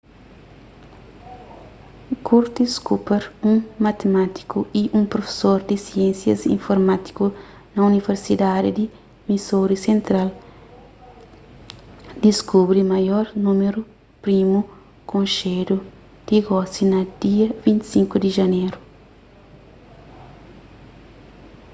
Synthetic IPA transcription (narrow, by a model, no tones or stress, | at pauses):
kuɾt̪iskupeɾũŋmɐt̪emat̪i̥kuiʔũpɾofe̥soɾd̪isiẽnsjɐ̰zḭ̃ɱfoɾmat̪i̥ku | nɐuniveɾsid̪ad̪id̪i | misoɾisẽnt̪ɾal | d̪iskubɾimɐjoɾnumeɾu | pɾimu | kõnʃedu | d̪̥iɡɔsinɐd̪̥iɐvĩnt̪i̥sĩŋkud̪iʒɐneɾu